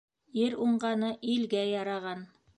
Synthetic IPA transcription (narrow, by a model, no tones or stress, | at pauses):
ɘɾuɴɢɑnɤʔilɡæjɑɾɑʁɑn